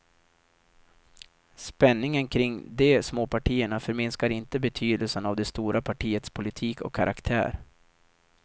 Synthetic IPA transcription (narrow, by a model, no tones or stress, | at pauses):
spɛnːɪŋənkʰɾɪŋd̪ɛsmoːpʰaʈʰiːəɳafœɾmɪnskaɾɪnt̪əbɛt̪ʰyːd̪əlsənavd̪ɛst̪uːɾʔapʰaʈʰiːət̪spʰʊlɪt̪ʰiːkɔ̰kʰːaɾʔa̰kt̪ʰæ̰ːɾ